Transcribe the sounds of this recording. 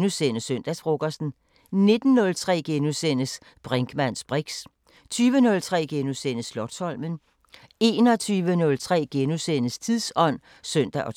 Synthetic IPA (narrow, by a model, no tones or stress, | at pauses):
nusenəsøn̰d̥æsfʁoɡ̥ɐsn̩ | ne̝d̥n̩ːɔ̽lt͡sʰʁɛ̰ːɡ̥enusenəs | b̥ʁeŋɡ̥mæn̰sb̥ʁiɡ̥s | t͡sʰyːʋənɔ̽lt͡sʰʁɛ̰ːɡ̥enusen̰əslɒ̽d̥sɒ̽l̰mən | e̝ːnɒ̽t͡sʰyːʋənɔ̽lt͡sʰʁɛ̰ːɡ̥enusenəst͡sʰiðˠsɒ̽n̰ | sœn̰d̥æʔɒ̽